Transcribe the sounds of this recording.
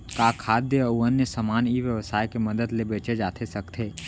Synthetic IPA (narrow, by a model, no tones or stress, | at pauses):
kakʰaːd̪jəuənjəsəmaːniʋjəʋsaːjkeməd̪əd̪lebeːt͡ʃed͡ʒaːt̪ʰesɐkt̪ʰeː